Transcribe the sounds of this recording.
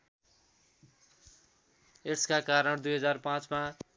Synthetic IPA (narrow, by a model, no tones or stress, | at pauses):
eskakaɾʌɳd̪ujɦʌd͡zarpãt͡sma